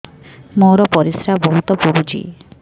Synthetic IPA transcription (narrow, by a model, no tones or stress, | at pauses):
mowɾɔpɔɾisɾabɔɦut̪ɔpuɾud͡ʒḭ